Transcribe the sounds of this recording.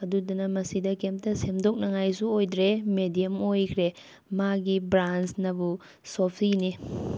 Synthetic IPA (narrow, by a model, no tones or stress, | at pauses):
ɐdudunɐmɐsidɐkemp̚tɐsemdok̚nɐŋajs̬uojdɾemedijɐmojkʰɾe | maɡibɾansnɐbu | sopʰini